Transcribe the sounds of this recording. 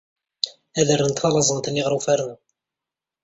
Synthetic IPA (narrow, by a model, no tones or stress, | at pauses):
æðərːənt̪fɑlɑzˤənt̪ənːiʁɾˤufæɾn